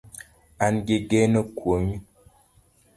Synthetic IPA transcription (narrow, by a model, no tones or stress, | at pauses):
anɡeɡɛnəkwomi